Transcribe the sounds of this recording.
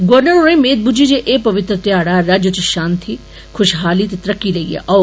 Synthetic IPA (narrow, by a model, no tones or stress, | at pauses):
ɡoɾnəɾoːɾẽmeːd̪̚bud͡ʒid͡ʒeʔeːpɐʋɪt̪ɾət̪jaːɽaɾad͡ʒjot͡ʃiʃaːnt̪ʰi | kʰʊʃɦaːlit̪et̪ɾɐkːilɐiːḛʔɐː